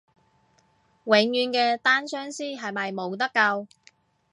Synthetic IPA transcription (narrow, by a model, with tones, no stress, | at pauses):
wɪ˨˧ŋjyː˨˧nkɛː˧t̪aː˥nsœː˥ŋsiː˥ɦɐ˨jmɐ˨jmo˨˧wt̪̬ɐ˥kːɐ˧w